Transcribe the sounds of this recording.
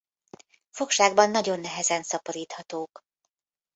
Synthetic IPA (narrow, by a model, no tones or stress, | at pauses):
fo̞kʃaːɡbɒnːɒɟo̞nːɛɦɛzɛnsɒpoɾiːt̪hɒt̪oːk